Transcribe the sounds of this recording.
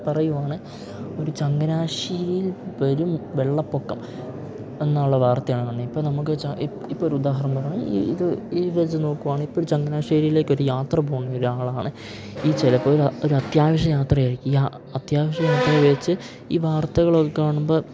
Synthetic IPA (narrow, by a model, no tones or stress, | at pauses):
pɐrɐjuʋaːɳɨ | o̞ɾut͡ɕɐŋɡɐnaːʂiːɾijilʋɐɾumʋe̞ɭːɐpːo̞kːɐm | e̞nːaːuɭːɐʋaːrt̪ɐjaːɳŋɐɳeipːoːɭnɐmukːɨt͡ɕɐ | ipːoːoɾuud̪aːɦɐɾɐmpɐrɐɳumḭḭðɨiʋɐt͡ɕːɐno̞ːkːuʋaːɳɨipːoːɾut͡ɕɐŋɡɐnaːʂiːɾijile̞ːkʲːo̞ɾujaːt̪rɐboːɳːijoɾuaːɭaːɳɨ | iːt͡ɕelɐpːoːɾoɾuɐt̪jaːʋɐʂɐjaːt̪rɐjaːɾikʲːuja | ɐt̪jaːʋɐʂɐjaːt̪rɐʋet͡ɕːɨ | ḭːʋaːrt̪ɐɣɐɭo̞kːekːaːɳumbo̞ː